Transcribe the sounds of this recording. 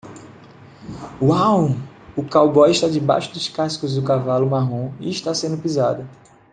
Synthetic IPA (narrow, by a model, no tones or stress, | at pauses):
waw | ʊkawbɔjɪʃt̪ad͡ʒɪba̰jʃʊd̪ʊskasi̥kʊzd̪ʊkavalʊmaɦõḭɪʃt̪asẽnd̪ʊpizad̪ɐ